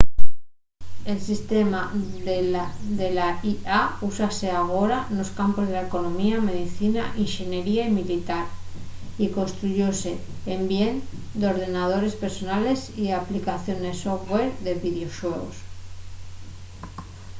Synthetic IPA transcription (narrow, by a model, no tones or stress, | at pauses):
e̞lsist̪e̞ma | d̪e̞laiausase̞aɣ̞o̞ɾano̞skampo̞zð̞e̞laeko̞nõ̞miame̞ðiθinaʔinxine̞ɾiaimilit̪aɾ | iko̞nst̪ɾuʝo̞se̞ːmbje̞n | d̪eo̞ɾð̞e̞nað̞o̞ɾe̞spe̞ɾso̞nale̞siaplikaθjo̞nesofɣweɾðe̞βiðeo̞ʃwe̞ɣo̰s